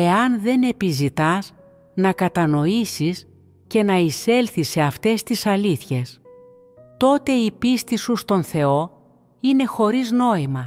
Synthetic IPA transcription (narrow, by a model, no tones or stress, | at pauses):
e̞ɐnðe̞ne̞pizit̪ɐz | nɐkɐt̪ɐno̞isis | ce̞nɐise̞lθise̞ɐft̪e̞st̪isɐliθçe̞s | t̪o̞t̪e̞ipist̪isust̪o̞nθe̞o̞ | ine̞xo̞ɾizno̞imɐ